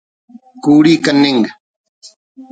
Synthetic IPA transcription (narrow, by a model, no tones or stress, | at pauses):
kuːɽiːkənːɪŋɡ